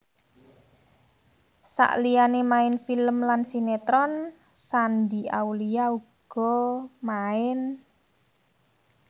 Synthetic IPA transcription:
sa̰ʔlijanemaɪnfiləmlansinet̪ɾɔn | sandiauliauɡ̥ɔmaɪn

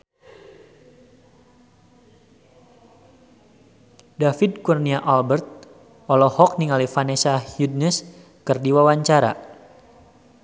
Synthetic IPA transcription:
dafid̚kurniaʔalbərt̪̚ | ɔlɔhɔk̚niŋalifanesahjud̚nɛs | kɨrdiwawaɲt͡ʃaɾa̰

